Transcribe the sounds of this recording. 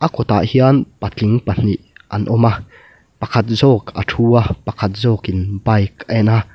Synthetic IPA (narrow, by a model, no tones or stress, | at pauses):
ʔakɔt̪a̰ʔhianpat͡ɬiŋpan̥iʔʔanʔɔma | pɐkʰat̪̚zɔka̰tʰuːapɐkʰat̪̚zɔːkinbajkɛna